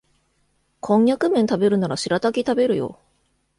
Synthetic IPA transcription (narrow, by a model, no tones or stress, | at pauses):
kʰõ̞ŋjakɯ̟mẽ̞nt̪abe̞ɾɯ̟naɾaɕiɾat̪akʲit̪abe̞ɾɯ̟jo̞̰